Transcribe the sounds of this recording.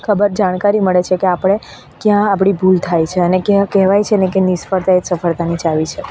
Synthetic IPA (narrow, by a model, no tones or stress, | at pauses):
kʰəbəɾd͡ʒaɽ̃kaɾiməɭet͡ʃʰekeapɽ̃e | kjãapɽ̃ibʱult̪ʰajt͡ʃʰeənekɛkɛɦʋajt͡ʃʰenekenisfəɾt̪aet̪səfəɭt̪anit͡ʃaʋit͡ʃʰe